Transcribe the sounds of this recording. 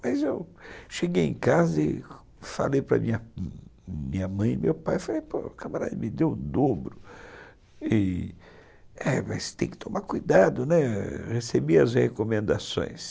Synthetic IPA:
mazewʃeɡejḛ̃kazɐɪ | fa̰lejpɾɐ̰mĩɲɐ | mĩɲɐmɐ̃j̃mewpajfalejpokamaɾa̰d̪ɐmɪd̪ewʊ̃d̪obɾʊ | i | ɛmɐst̪ẽj̃kɪ̥t̪ʰomaɾkujd̪ad̪ʊnɛhesebiɐzhekomẽnd̪asõ̰j̃s

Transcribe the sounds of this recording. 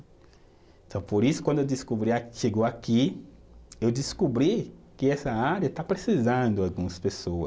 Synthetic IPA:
ẽt̪ɐ̃w̃poɾisʊ̥kwɐ̃nd̪ewd̪iskubɾiaʃeɡoaki | ewd̪iskubɾikɪɛsɐaɾjɐt̪apɾesizɐ̃nd̪ʊalɡũɐspesoɐs

